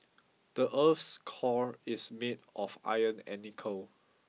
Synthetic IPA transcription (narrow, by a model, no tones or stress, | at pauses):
d̥əʔəfskʰɔɹismedʔɔfa̰jə̃nɛ̰nikʰəl